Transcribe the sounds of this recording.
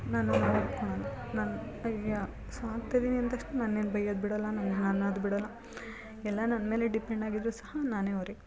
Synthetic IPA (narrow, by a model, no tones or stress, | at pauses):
naːnunɐɐɾt̪koɳɐnunaːnɐja | saːt̪jɐd̪iːniɐnt̪ɐʂʈunɐnːeːnbɐjɐd̪̚biɽɐlːɐnɐnːenanad̪biɽɐlːɐ | ɛlːɐnɐnːɐme̞ːleɖipeɳɖaːɡid̪ɾuːsɐhɐnaːneːoɾe